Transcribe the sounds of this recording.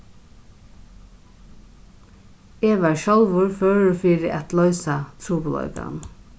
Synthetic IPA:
eːʋæːɹʃɔlʋʊɹføːɹfiːɾɪʔat̪lɔʏsat̪ʰɾuːpl̩ɔ̰ʏka̰n

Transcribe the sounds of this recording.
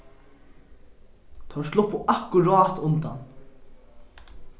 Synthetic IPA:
t̪ʰaʋslʊpʊʔahkʊɾɔːt̪ʊnt̪a̰n

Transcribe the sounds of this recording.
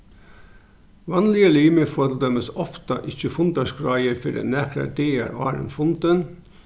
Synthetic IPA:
ʋɑnlɪəliːməfoːt̪l̩d̪œməsɔft̪ɑʔɪçəfʊnd̪ɑʂkɾɑɪəɾfœɖɛ̰næːkɾə̰d̪eːæ̰ɾɑ̰ːɾə̰nfʊnd̪ən

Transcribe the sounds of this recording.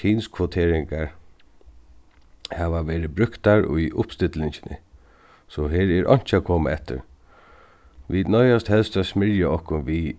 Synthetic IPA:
inskʰʋot̪ʰeːɾɪŋkaɹ | haːʋaʋeːɾɪbɾʏkt̪aɹʊ̰jʔʊpst̪ɪt̪lɪɲt͡ʃɪ̥nɪ̰ | sɔɦeːɹɛɾʔɔ̰ɲ̥t͡ʃɪakʰoːmaɛt̪ːɪ̰ɾ | ʋid̪nɔʏjast̪hɛlst̪asmɪɹjaɔhkʊnʋi

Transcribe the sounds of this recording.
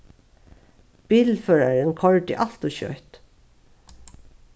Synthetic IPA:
b̥iːlføːɹɑɹənkʰɔɹɖɪ̰ːʔɑst̪ʊçœ̰ʏt̪

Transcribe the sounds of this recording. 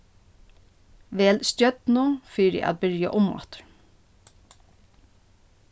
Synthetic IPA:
ʋeːlst̪jœd̪nuːfiːɾɛ̰ʔa̰ːt̪̚bɪɹja̰ʔʊmɑ̰t̪ə̥ɹ

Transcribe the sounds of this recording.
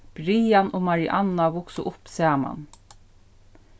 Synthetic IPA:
b̥ɾiːanʔʊmaɹiʔanːaʋʊksʊʔʊpsɛːma̰n

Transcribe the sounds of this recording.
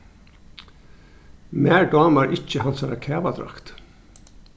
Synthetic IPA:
mæːɹɖɑːməɹʔɪc͡çəhɑnsɑɾɑkʰeːʋɑd̪ɾɑ̰kt̪

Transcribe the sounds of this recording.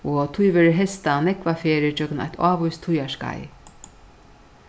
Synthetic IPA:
ɔt̪ʰujvɛːɾɪɦɛst̪anɛkvafeːɾɪt͡ʃœkna̰jt̪ʰaːvujst̪ʰːujaʂka̰j

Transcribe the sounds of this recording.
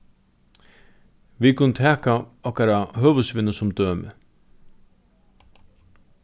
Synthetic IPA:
ʋikʰʊnt̪ʰɛːkaɔhkaɾaɦøːʋʉsʋɪnəsʊmd̪øːmɪ̰

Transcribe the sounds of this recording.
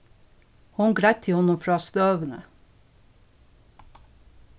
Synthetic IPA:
hʊnɡɾæɪt̪ʰɪhɔnʊmfɾɑːst̪øːʋənə̰

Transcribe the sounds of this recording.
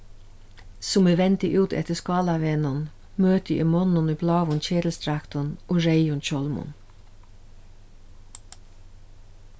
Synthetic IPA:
sʊmeːʋɛnt̪ɪʔʉːt̪ʰɛ̰t̪əskɑːlɑʋenʊn | møːt̪əʔḭːmɔnʊniːblɑːʋʊnçeːd̪l̩st̪ʰɾækt̪ʊnʊɹeɪʊnçɔlmʊ̰n

